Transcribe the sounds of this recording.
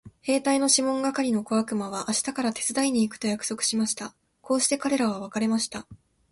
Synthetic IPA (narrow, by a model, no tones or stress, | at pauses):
he̞ːt̪aino̞ɕimõ̞ŋɡakaɾʲino̞ko̞βakɯ̟maβ̞aʔaɕi̥t̪akaɾat̪e̞̥t͡sɨd̪aiɲ̟iːkɯ̥t̪o̞jakɯ̥so̞kɯ̟̥ɕimaɕi̥t̪a | ko̞ːɕi̥t̪e̞kaɾe̞ɾaβ̞aβ̞akaɾe̞maɕi̥t̪a